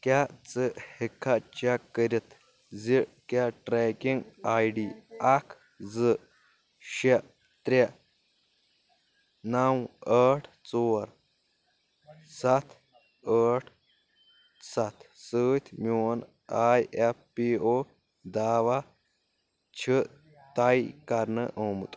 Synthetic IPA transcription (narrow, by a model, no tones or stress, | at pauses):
kjat͡səhikʰːat͡ɕakːəɾit̪ | d͡zikjaʈɾɛkiŋɡajɖiakʰ | d͡zɨ | ɕe | t̪ɾʲa | nawəʈʰt͡soɾ | sɐt̪ʰ | əːʈʰ | sat̪ʰsəːt̪ʲʰmʲun | aːjefpio | d̪aːʋa | t͡ɕʰə | t̪ajkɐɾnəʔəːmut̪ʼ